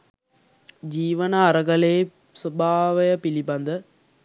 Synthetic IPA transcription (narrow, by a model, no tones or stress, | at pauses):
d͡ʒiːʋɐnɐːɾɐɡɐleː | sɐbʱaːʋɐjɐpilibɐnd̪ɐ